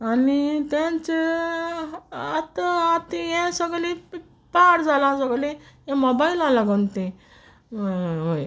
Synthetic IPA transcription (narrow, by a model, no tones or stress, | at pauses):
anit̪jãɲt͡ɕe | at̪əat̪ijɛ̃səɡle | paɽd͡zalãsəɡlẽ | jɛ̃mobailalaɡont̪ẽ | ɦoj